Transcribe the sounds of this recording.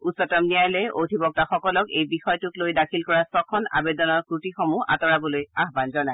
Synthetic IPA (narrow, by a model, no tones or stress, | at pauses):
usɔtɔmnijajlɛʔo̰dʱibɔk̚taxɔkɔlɔkejbixɔjtʊklojdakʰilkɔɹasɔkʰːɔna̰bedɔnɔɹkɹutixɔmua̰tɔɹabɔlojaɦbanzɔnaj